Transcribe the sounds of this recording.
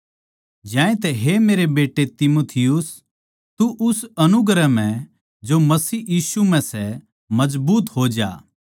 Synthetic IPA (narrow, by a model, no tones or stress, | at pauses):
d͡ʒãːẽt̪̬ɛɦemeːɾebeːʈːet̪ɪmoːt̪ʰɪjʊs | t̪uʔʊsɐnʊɡɾəm̤ɛ̃ | d͡ʒomɐsiːjiːsumɛ̃sɛ | mɐd͡ʒbuːt̪ɦod͡ʒa̰ː